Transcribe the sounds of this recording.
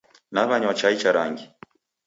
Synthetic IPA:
naβaɲwat͡ʃait͡ʃaɾaŋɡi

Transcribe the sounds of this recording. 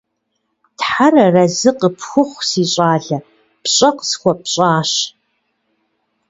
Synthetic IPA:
tħarɐrɐzɨqʼəpʰxʷʊχʷsiːɕʼaːɮɐ | pʰɕʼɐqʼskʷɐpʰɕʼaːɕ

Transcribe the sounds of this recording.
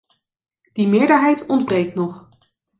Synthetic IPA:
d̥imɪːɹdəɹɦɛjtɔndbrejknɔχ

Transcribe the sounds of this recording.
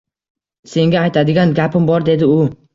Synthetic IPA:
se̞ŋɡʲaːjt̪ʰad̪ɪɡʲanɡʲapɪmbɒɾd̪e̞d̪ɪʊ

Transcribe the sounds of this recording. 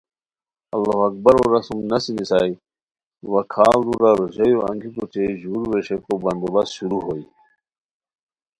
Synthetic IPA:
ɐlːaɦɐk̚bɐɾoɾɐsumnɐsinisaːi | wɐkʰaːld̪uɾaɾoɕejoɐ̰̃ŋɡikut͡ɕeʑuːɾweɕekobɐnd̪obɐsɕuɾuɦoi

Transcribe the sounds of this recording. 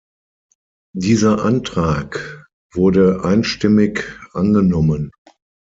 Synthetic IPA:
diːzɐʔantʁ̥aːk | v̥ʊɐdəʔaɪnʃtɪmɪkʔanɡənɔmən

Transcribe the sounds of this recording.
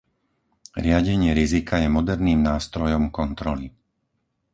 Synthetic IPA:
ɾɪaɟɛɲɪɛɾizikʰajɛmɔd̪ɛɾniːmnaːst̪ɾɔjɔmkɔnt̪ɾɔli

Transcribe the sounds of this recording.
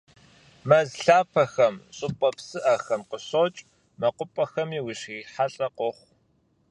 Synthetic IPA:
mɐzɬaːpʰɐxɐmɕʼʊpʼɐpsɨʔɐxɐmqəɕot͡ʃʼ | mɐqʷʊpʼɐxɐmiːwiɕiːħaɬʼɐqɔχʷ

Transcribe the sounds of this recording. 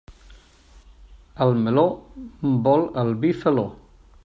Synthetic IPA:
almelombɔlɐlbifelo

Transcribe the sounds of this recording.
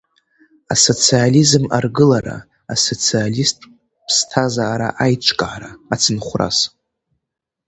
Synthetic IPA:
aso̞t͡sʰializɨmarɡɨlaɾa̰ | aso̞t͡sʰialistʼ | pʰstʰazaːɾaʔajt͡ʃʷʰʼkʼaaɾaat͡sʰɨnχʷra̰s

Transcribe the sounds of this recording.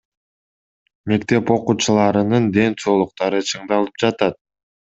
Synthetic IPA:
me̞kt̪e̞po̞quːt͡ʃɯlˠɑɾɯnɯnd̪e̞nt͡ʃo̞lˠuq̚t̪ɑɾɯt͡ʃʰɯɴd̪ɑlˠɯ̥p̚d͡ʒɑt̪ɑt̪̚

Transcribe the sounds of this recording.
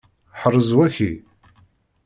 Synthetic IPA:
ħərˤːəzwæçi

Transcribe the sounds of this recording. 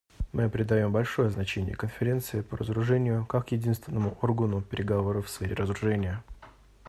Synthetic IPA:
mɨɐpɾʲɪd̪ɐjo̞mbɐlʲʂo̞jəznɐt͡ɕenʲɪ̰jə̰kənfʲɪɾʲe̞nt̪sɨɪpəɾəzəɾʊʐɛnʲɪjʊkakjɪdʲinst̪vʲɪnːəmʊʔo̞rɡənʊpʲɪɾʲɪɡɐvo̞ɾəfsfʲeɾʲɪrəzɾʊʐɛnʲɪjə

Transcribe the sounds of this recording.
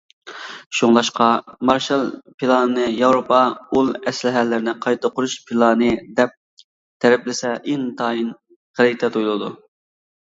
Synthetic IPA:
ʃuŋlˠɑʃqʰɑmɑɾʃɑlˠpʰilˠɑnɨnɨjɑwɾopʰɑulˠɛslɪɦɛlːɪɾɪnɪqʰɑjt̪ʰəqʰʊɾuʃpʰilˠɑnɨd̪ɛp̚ | t̪ʰɛɾɛplɪsɛʔint̪ʰɑːin | ʁəɾɪjt̪ʰɛt̪ʰujlˠɨd̪u

